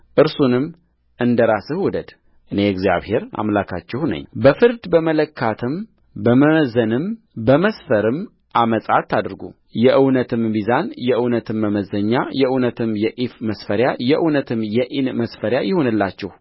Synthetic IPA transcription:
ʔɨɾsunɨm | ɨnd̪əɾasɨhwɔd̪əd̪ | ʔɨne̞ɛɡzja̰βhe̞ɾa̰mlakʰa̰t͡ʃːɛhnə̰ɲːbəfɨɾd̪bəmələkʰːat̪ʰɨm | bəməmzənɨm | bəməsfəɾɨm | ʔaməsʼat̪ʰːad̪ɾɡṵ | jɛʔɨwnət̪ʰɨmbizanjɛʔɨwnət̪ʰɨmːəməzəɲːajɛʔɨwnət̪ʰɨmjɛʔifməsfəɾjajɛʔɨwnət̪ʰɨmjɛʔinməsfəɾjajɪho̞nɨlːat͡ʃːɛh

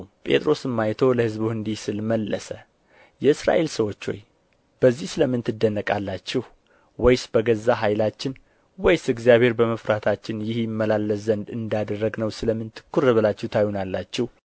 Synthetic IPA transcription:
pʼe̞̰t̪ʼɾo̞sɨmːajt̪ʰo̞ləhɨzbuhɨnd̪ihsɨlməlːəsə | jɛɨsɾa̰ʔe̞lsəwo̞t͡ʃːo̰j | b̥əzːihsɨləmːɨnt̪ʰɨd̪ːənːəkʼalːat͡ʃːɛh | wɔjsbəɡəzːaɦajlat͡ʃːɪn | wɔjsɨɡzjaβhe̞ɾbəməfɾat̪ʰat͡ʃːɪnjɪhjɪmːəlalːəszənd̪ɨnd̪ad̪ərːəɡnəwsɨləmːɨnt̪ʰɨ̥kːuɾəβɨlat͡ʃːɛht̪ʰajunalːat͡ʃːɛh

